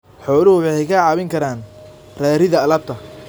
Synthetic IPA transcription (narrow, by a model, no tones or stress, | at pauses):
ħɔːlʊhʊħɑɛjkʰɐʕɑːβɪŋkʰɐɾaːn | rɛːɾɪðɐɐlɐb̚t̪ʰɐ